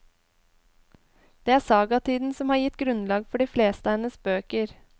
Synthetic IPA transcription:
d̪̥eːæːsɑːɡɑt̪ʰiːd̪n̩sɔmhɑːjɪt̪ɡɾʉnlɑːɡfɔɖiːfleːst̪əɛːnəsbøːkəɾ

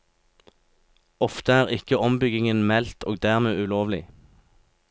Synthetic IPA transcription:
ɔft̪əæːʁɪkəɔmbʏɡɪŋənmɛlt̪ʰoːɡ̚d̪æːʁmeːʉloːʋlɪ̰

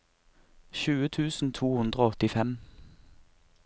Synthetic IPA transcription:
ʃʉːət̪ʰʉːsn̩t̪ʰuːhʉnd̪ʁoːɔt̪ɪfɛm

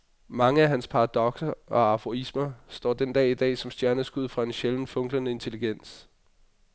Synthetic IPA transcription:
mɑ̈ŋəæɦænspʰɑ̈ɑ̈d̥ɒ̽ɡ̥sɐʔɒ̽æfʁoismɐsd̥ɒ̰ːd̥end̥ɛ̰ːid̥ɛ̰ːsɒ̽msd̥jæɐnəsɡ̥uð̰ˠfʁɑ̈e̝nɕeln̩fɔ̽ŋɡlɐnəe̝nt͡sʰe̝liɡ̥en̰s

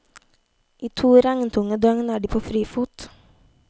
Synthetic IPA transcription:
ʔiːt̪ʰuːɾæŋnt̪ʰʊŋəd̪œŋnæːɖiːpʰoːfɾiːfuːt̪

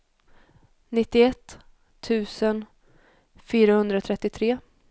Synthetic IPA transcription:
nɪt̪ːɪɛt̪ːʰ | ʉ̟ːsən | fyːɾahɵnd̪ɾat̪ʰɾɛt̪ːɪt̪ʰɾeː

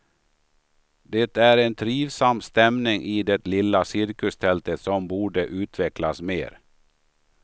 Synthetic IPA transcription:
d̪ɛt̪æɾɛnt̪ʰɾiːvsamːst̪ɛmnɪŋʔɪd̪ɛt̪lɪlːasɪɾkɵst̪ʰɛlt̪ət̪sɔmbuːɖəʔʉ̟ːt̪ʰvɛklasmḛːɾ

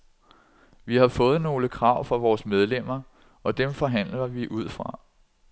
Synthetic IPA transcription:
ʋihɑ̈fɔ̽ːð̞̩ˠno̝ːləkʰʁɑ̈ʊ̰fɒ̽ʋɒːsmeð̞ˠlem̰ɐ | ɒ̽d̥emfɒ̽ɦæn̰lɐʋiʔuð̞̰ˠfʁɑ̈

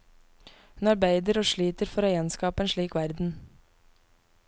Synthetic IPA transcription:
hʉnɑɾbæɪd̪əɾoːʃɭiːt̪əɾfɔɾoːjɛnskɑːpəeːnʃɭiːkʋæɾd̪n̩

